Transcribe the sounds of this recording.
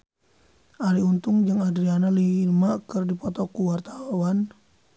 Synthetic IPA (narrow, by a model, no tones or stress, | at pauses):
ʔaɾiunt̪ʊŋd͡ʒəŋadɾianalimakɨrdipɔt̪ɔkuwart̪awan